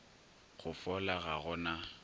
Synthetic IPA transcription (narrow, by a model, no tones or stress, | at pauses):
ɣʊfɔlaɣaɣʊna